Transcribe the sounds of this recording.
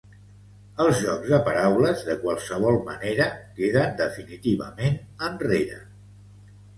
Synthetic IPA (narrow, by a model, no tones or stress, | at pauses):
əlˠzʒɔɡzðəpəɾawləzðəkwalˠsəβ̞ɔlˠməneɾəkeðənd̪əfinit̪iβə̰menənreɾə̰